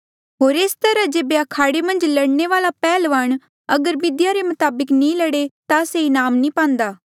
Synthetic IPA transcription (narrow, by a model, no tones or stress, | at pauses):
ɦoːɾeːst̪əɾãd͡ʒeːbeɐkʰaːɽemə̃nd͡ʒlɐɽneʋaːlapɛːlʋaːɳ̃ | ɐɡəɾbɪd̪ɪjaɾemʊt̪aːbəknĩlɐɽet̪aseinaːmnĩpãːnd̪aː